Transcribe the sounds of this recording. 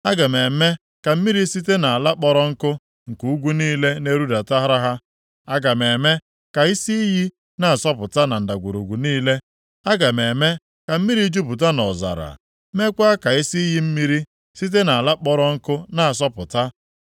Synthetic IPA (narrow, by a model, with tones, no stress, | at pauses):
a˦ɡa˨me˨me˦ | ka˨m̩˦mi˦ɾi˦si˦te˦na˨a˨la˦k͡pɔ˦ɾɔ˦ŋ̩˦kʊ˦ | ŋ̩˨ku˨u˦ɡʷu˦niː˦le˦ne˦ɾu˦da˨ta˦ɦa˦ɾa˦ɦa˦ | a˦ɡa˨me˨me˦ | ka˨i˦si˦i˦ɦi˦ | na˦a˨sɔ˦pʊ˨ta˦na˨n̩˨da˨ɡʷu˨ɾo˨ɡʷu˨niː˦le˦ | a˦ɡa˨me˨me˦ | ka˨m̩˦mi˦ɾi˦d͡ʒu˦bu˨t̬a˦nɔ˨za̰˨ɾa̰˨˦ | me˦kʷa˦a˦ka˨i˦si˦i˦ɦi˦m̩˦mi˦ɾi˦ | si˦t̬e˦na˨a˨la˦k͡pɔ˦ɾɔ˦ŋ̩˦kʊ˦na˨a˨s̬ɔ˦pʊ̰˨ta˦